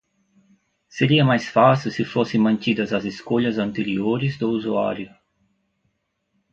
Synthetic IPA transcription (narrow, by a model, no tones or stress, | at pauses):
seɾiɐmajsfasisɪfosẽmɐ̃nt̪id̪ɐzɐzeskoʎɐzɐ̃nt̪eɾioɾɪzd̪ʊuzua̰ɾjʊ